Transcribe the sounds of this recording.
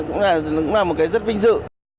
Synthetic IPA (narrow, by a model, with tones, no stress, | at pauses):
kʊ̰˧˥ŋ͡mlaː˨˩˨kʊ̰˧˥ŋ͡mlaː˨˩mo˨˩t̚kaː˨˦zə˦˥t̚ɓï˧ŋ̟zɨ̰˧˨